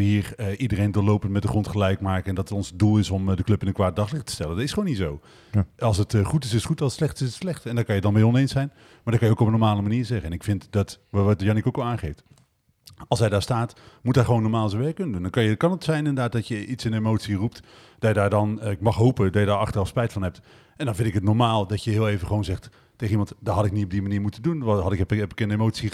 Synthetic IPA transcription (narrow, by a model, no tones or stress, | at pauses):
əɦiːɹəʔidərejndolowpəntmɛt̚dəχrɔntχəlɛjkmaːkəɛndɑtətɔnsədulˠɪsɔmdəklɵpɪnənkʋaːd̚dɑχlɪχtə̥stɛləndɑtɪsχəʋownitsow | ɑlˠsətχutɪsɪsχutɑətslɛχtɪsətslɛχtɛndɔkɑjədɑnbejɔnejnsɛjn | maːdɑtkɑnjəowkɔpənːɔɹmaːləmaniːɹzɛχənɛnɪkfɪntdɑtʋʋtdəjɑnikoklˠaːnχejft | ɑlˠsɦɛjdaːɹstaːtmutaχəʋownːɔɹmaːlˠzoʋɛɹkɵnəndundɑnkɑnjəkɑnətsɛjnɪndəɹdaːt̚dɑtjəʔitsɪnemowtsirup̚t | d̥ɑjədaːɹdɑnkmɑχɦowpədɑjədaːɹɑχtərɑfspɛjtfɑnɦɛp̚t | ɛndɑnvɪ̃ntɪkɦətnɔɹmaːlˠdɑtjəɦɪːlˠejvəχʋownzɛχt | teχəimɑ̃ntdɑɦɑtɪk̚nitɔb̚dimaniːɹmutəndunʋɦɑtɪkbəkɪndəemowtsi